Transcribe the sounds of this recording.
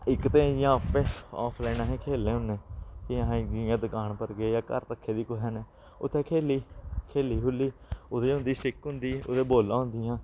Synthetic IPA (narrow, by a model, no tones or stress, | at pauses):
ɪkt̪ẽːɪãːpeːɔ̰ːpʰlɛːnãːɦẽːkʰeːlẽːɦʊnẽːkiɦɡɪãːd̪əkaːɳpəɾɡeːjaːkə̰ɾt̪əkʰːeːd̪iːkʊɦɛːneː | ʊ̰t̪ʰːẽːkʰeːliːkʰeːliːɦʊlːiːʊd̪eːʊ̃nd̪iːsʈɪkɦʊ̃nd̪iːʊ̰d̪eːboːlãːɦʊ̃nd̪ɪjãː